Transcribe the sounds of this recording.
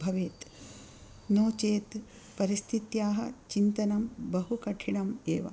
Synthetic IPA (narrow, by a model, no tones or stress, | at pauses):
bʱɐʋeːt̪ | noːt͡ʃeːt̪ | pɐɾist̪ʰit̪jaːɦɐ̆t͡ʃint̪ɐnɐmbɐɦukɐʈʰiɳɐmeːʋɐ̰